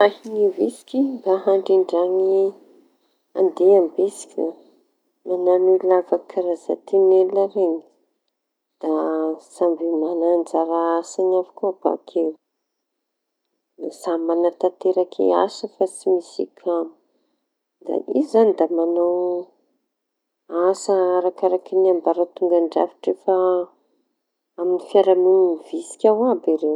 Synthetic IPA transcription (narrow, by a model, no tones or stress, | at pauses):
ahinivesi̥kid̪aɦaɳɖ͡ʐiɳɖ͡ʐaŋi | a̰nd̪eambesi̥kina | mananilavakʰaɾaza̰t̪ʰinelaɾeɲi̥ | d̪̥asambemanand͡zaɾaasanafḁkuaba̰kʰew | nasamanat̪at̪eɾakʰḛa̰səfat͡simisikʰʲami̥ | d̪a̰izanid̪amanaw | asaaɾakaɾakiniambaɾat̪uŋɡaɳɖ͡ʐa̰fi̥ʈ͡ʂefa | aminifjaɾaminivisi̥kʲawabiɾew